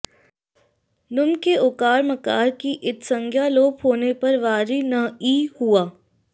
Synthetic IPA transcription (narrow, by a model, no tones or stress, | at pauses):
nʊmkeokaːɾmɐkaːɾkiʔɪt̪sə̃ŋɡʱjaloːpɦoːnepɐɾʋaːɾinɐiːhuaː